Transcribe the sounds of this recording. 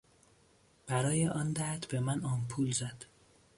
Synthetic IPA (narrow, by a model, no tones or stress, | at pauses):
b̥æɾɒːjeʔɒːnd̪æt̪ʰb̥emænɒːnpʰuːlzæd̪̥